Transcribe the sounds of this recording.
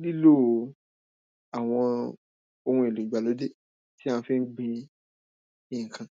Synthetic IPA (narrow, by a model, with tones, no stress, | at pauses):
li˦lo˦˨ | a˨w̃ɔ̃˧ | o˧hũ˧˦e˨lu˨ɡ͡ba˨lo˨˦de˦ | ti˦ã˦˧fĩ˦n̩˦ɡ͡bĩ˧ | ĩ˨ŋ̩˨kʰã˨